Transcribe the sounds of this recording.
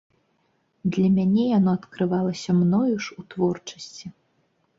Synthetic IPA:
d̪lʲɐmʲanʲɛjanɔɐt̪kɾɨvalˠɐsʲɐmnɔjuʂut̪vɔrt͡ʂɐ̥sʲt͡sʲi

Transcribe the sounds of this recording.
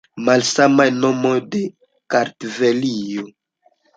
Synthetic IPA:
malsamajnomojde | kaɾtvelijo

